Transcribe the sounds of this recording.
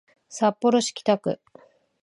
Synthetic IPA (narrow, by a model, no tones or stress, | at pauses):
sapːo̞ɾo̞ɕi̥kʲi̥t̪akɯ̟̰